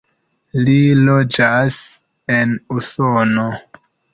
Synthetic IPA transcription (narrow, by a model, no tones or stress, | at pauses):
lilod͡ʒas | enusono